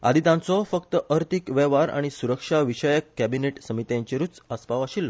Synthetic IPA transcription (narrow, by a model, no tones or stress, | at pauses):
a̰d̪ʱit̪ãnt͡sɔfəkt̪əʔəɾt̪ʰikʋɛʋaɾa̰ɽ̃isuɾəkʂaʋiɕəjəkːæbineʈsəmit̪jãɲt͡ɕeɾut͡səspaʋaɕilːɔ